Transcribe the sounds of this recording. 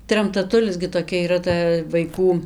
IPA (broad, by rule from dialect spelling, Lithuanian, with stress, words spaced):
trɐmtɐˈtʊlʲɪs ɡʲɪ toːˈkʲɛ iːˈrɐ ˈtɐ ʋɐɪˈkuː